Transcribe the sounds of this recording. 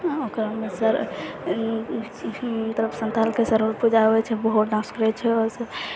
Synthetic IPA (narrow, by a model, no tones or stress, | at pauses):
okɾmesəɾ | t̪əɾəbsənt̪alkesəɾoɾpud͡ʒabɛt͡ʃʰɛbəɦut̪naskɾɛt͡ʃʰɛɔsə